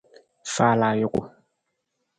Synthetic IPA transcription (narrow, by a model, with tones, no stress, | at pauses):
fa˦laː˨jʊ˦kʊ̰˨